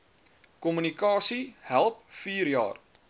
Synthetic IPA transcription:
kɔmynikɑːsihælˠp̚fiːrjɑ̰ːr

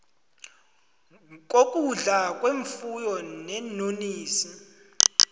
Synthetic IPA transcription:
k̬ʼokʼuɮakʼweɱfujɔnɛnoniːsi

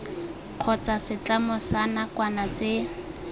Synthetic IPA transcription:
q͡χʰɔt͡sasɪt͡ɬamʊsanakwanat͡se

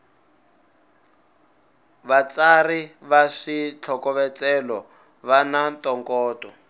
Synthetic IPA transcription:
βat͡sariβaʂit͡ɬʰɔkɔβɛt͡sɛlɔ | βanantɔŋkɔːtɔ

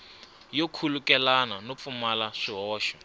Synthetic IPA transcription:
jokʰulukɛlananop̪fumalaʂiɦɔːʃɔ

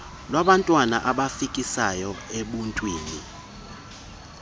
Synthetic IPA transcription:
lwaɓantʼwana̰ʔaɓafikʼisajɔeɓuntʼwiːni

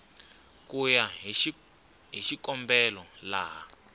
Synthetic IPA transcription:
kujaɦ | ɦiʃikɔmbɛlɔlaːɦa

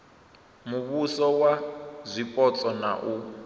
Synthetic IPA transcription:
muβusɔwazʷipʼɔt͡sʼɔna̰ʔu

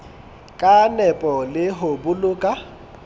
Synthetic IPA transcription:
kʼanɛpʼɔlɪɦobʊlʊːkʼa

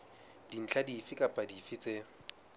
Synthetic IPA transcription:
d̥in̩t͡ɬʰadifɪkʼapʼadifɪt͡sʼe

